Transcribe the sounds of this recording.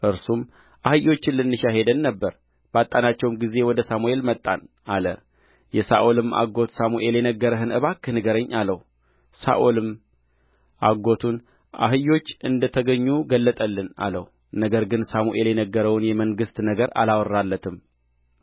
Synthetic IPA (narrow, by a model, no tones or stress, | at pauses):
ʔɨɾsum | ʔahɨjːo̞t͡ʃːɪnlːɨnːɨʃaɦe̞d̪ənːəbːəɾ | b̥at̪ʼːanat͡ʃːɛwmɡize̞wɔd̪əsamue̞lmət̪ʼːan | alə̰ | jɛsa̰ʔolɨmʔa̰ɡo̞t̪samuʔe̞ljɛnəɡːəɾəɦɨnɨβakːɨnɨɡəɾəɲːaləw | sa̰ʔolɨm | ʔaɡo̞t̪ʰun | ʔa̰ɦɨjːo̞t͡ʃːɨnd̪ət̪ʰəɡəɲːuɡəlːət̪ʼəlːɨna̰lə̰w | nəɡəɾɡɨnsamuʔe̞ljɛnəɡːəɾəwnjɛməŋɡɨst̪nəɡəɾa̰lawrːalːət̪ʰɨm